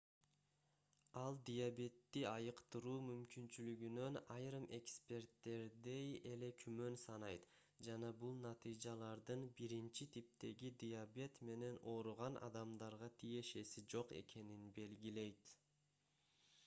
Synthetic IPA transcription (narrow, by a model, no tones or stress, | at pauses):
ɑlˠd̪ʲijabʲe̞t̪ːiɑjɯqt̪ɯɾuːmymkynt͡ʃylyɡynø̞nɑjɾɯmʔe̞kspʲe̞ɾt̪ːe̞ɾd̪e̞je̞le̞kʰymø̞nsɑnɑjt̪ | d͡ʒɑnɑbulˠnɑt̪ɨjd͡ʒɑlˠɑɾd̪ɯnbiɾint͡ʃit̪ʰip̚t̪e̞ɡid̪ʲijabʲe̞t̪me̞ne̞no̞ɾuʁɑnʔɑ̰d̪ɑmd̪ɑɾʁɑt̪ʰije̞ʃe̞sid͡ʒo̞qe̞̰ke̞ninbe̞lɡʲile̞jt̪